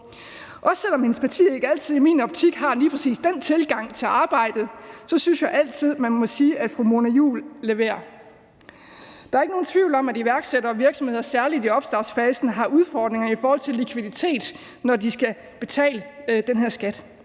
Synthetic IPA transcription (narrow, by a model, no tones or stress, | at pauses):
ʔɒ̽sel̰ɒ̽mhenəspʰɑ̈t͡sʰḭːe̝ɡ̥əæl̰t͡sʰið̞̰ˠimḭːnɒ̽b̥̚t͡sʰiɡ̥ɦɑ̈liːpʰʁɛsḭːsd̥ent͡sʰe̝lɡ̥ɑ̈ŋ̰t͡sʰe̝lɑ̈ːb̥ɑ̈ɪ̰d̥ð̩ˠsɒ̽synsjɑ̈ɪʔæl̰t͡sʰið̞̰ˠmænmɒ̽siːʔæd̥fʁumo̝næjṵːlle̝ʋe̝̰ːɐ | d̥ɑ̈ɐe̝ɡ̥əno̝ːn̩t͡sʰʋiʊ̰lɒ̽mæd̥iʋæɐɡ̥seɾ̥ɐʋiɐɡ̥sɒ̽mhe̝ð̰ˠɐsæɐlid̥iɒ̽b̥sd̥ɑ̈sfɛːsn̩ɦɑ̈ʔuð̞ˠfɒːd̥ne̝ŋɐifɒːhɒ̽l̰t͡sʰe̝likʰʋiðˠit͡sʰe̝̰ːd̥ | nɒdisɡ̥æ | b̥e̝t͡sʰɛ̰ːləd̥enɦeɐsɡ̥æd̥